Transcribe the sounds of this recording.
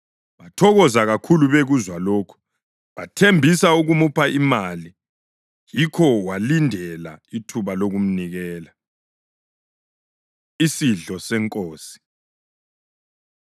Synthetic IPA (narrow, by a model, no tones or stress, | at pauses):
βatʰɔɣɔzaɣakʰuluβeɣuzwaloːkʰu̥ | βatʰembʱisauɣumupʰaʔimali | jikʰɔwalindʱɛla̰itʰuβaloɣum̩niɣɛːla | isiɮɔsɛŋkʼoːsi̥